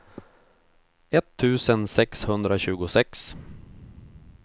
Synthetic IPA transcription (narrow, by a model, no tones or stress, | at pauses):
ɛt̪ʰːʉ̟ːsənsɛkshɵnd̪ɾaɕʉ̟ːɡʊsɛks